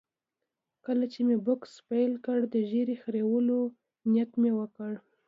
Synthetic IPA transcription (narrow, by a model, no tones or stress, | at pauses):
kəlat͡ʃemebʊkspajlkəɽd̪əʒeɾexɾewəlo | njat̪mewəkəɽ